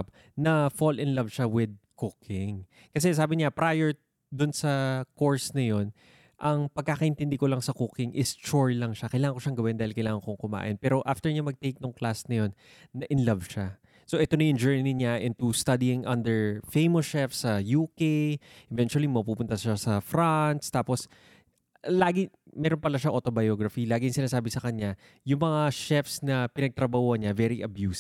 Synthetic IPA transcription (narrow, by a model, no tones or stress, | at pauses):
p̚ | nɐfolɪnlɐvʃawɪd̪̚kʊkʰɪŋ | kɐsɛs̬aːbɪɲapɾajɛɹ | d̪ʊnsɐko̞ɹsnɐjo̞n | ʔɐŋpɐɡ̚kːaːkɐʔɪ̃nt̪ɪnd̪ɪko̞lɐŋsɐkʊkɪŋʔɪst͡ʃuɹlɐŋʃakɐjlaːŋɐŋko̞ʃaŋɡɐwɪnd̪aːhɪlkɐjlaːŋɐŋkoŋkʊma̰ːʔɪnpɛːɾo̞ʔaft̪ɛɹɲamɐɡ̚t̪ejk̚nʊŋklasnɐjo̞nː | ɐʔɪnlɐvʃa | soʔɛt̪onɐjʊŋd͡ʒɛɹniɲaʔɛnt̪ust̪ɐd̪iɪŋʔɐnd̪ɛɹfejmosʃɛfsɐjuːkejʔɛvɛnt͡ʃuɐlimɐpuːpʊnt̪ɐʃasɐfɾant̪st̪aːpo̞s | laːɡɪmɛːɾonpɐlaʃaʔot̪o̞bɐjoɡɹɐfilaːɡɪjŋsɪnaːsaːbɪsɐkɐɲa | jʊŋmɐŋaʃɛfsnɐpɪnɐɡ̚t̪ɾɐbahoɐɲavɛɾiʔɐbjus